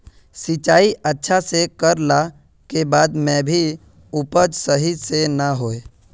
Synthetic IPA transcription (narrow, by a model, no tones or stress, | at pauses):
sɪt͡ʃaːiʔətːʃʰasekəɾla | kebaːd̪mɛ̃ːbʱi | ʊpəd͡ʒsəɦisenaɦoːe